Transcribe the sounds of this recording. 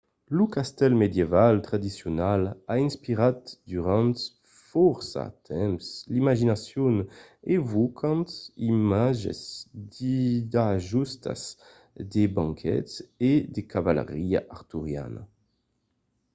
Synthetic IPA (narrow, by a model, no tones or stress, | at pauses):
lukast̪ɛlmed̪jevalt̪ʁad̪isjonalainspiʁat̪d̪yʁɑ̃nt̪ | fɔɾsa̰t̪ʰɛmslimaʒinasjonevokʰɑ̃nt̪imaʒḛzd̪id̪aʒust̪a̰z | d̪ebãŋkʰɛ̰t̪ed̪ekavalḛʁia̰ʔaʁt̪uʁja̰na̰